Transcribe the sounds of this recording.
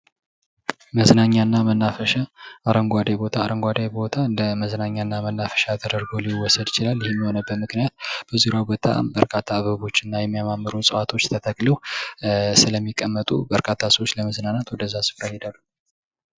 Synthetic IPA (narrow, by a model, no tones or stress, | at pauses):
məznaɲːanːamənːafəʃaʔaɾəŋɡʷad̪ajbo̞t̪ʰaːɾəŋɡʷad̪ajbo̞t̪ʰaɨnd̪əməznaɲːanːamənːafə̥ʃat̪ʰəd̪əɾɡo̞liwːɔsəd̪ɪt͡ʃɪlalːjɪhemːiho̞nəbːət̪mɨknijat̪̚b̥əzuɾjabot̪ʰa̰bəɾkʰat̪ʰːaːβəβo̞t͡ʃːɪnːajɛmːijamamːɨɾosʼəwat̪ʰo̞t͡ʃːt̪ʰət̪ʰəkʼləw | sɨləmːikʼːəmːət̪ʼṵbəɾkʰʼat̪ʰːasəwot͡ʃːləməznanat̪wɔd̪əzːasɨ̥fɾahed̪alːu